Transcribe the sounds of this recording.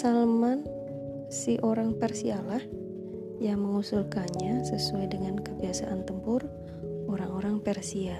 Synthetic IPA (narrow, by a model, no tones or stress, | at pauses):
salman | siʔoɾaŋpɛrsialah | jaŋməŋusulkanɲasəsuajdəŋankəbiasa̰ʔant̪əmpʊr | oɾaŋoɾaŋpɛrsia